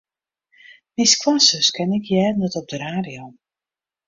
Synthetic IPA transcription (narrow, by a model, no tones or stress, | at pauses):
miskwasəskɛnɪkʰjɛːdnɛtɔp̚dəɾaːdio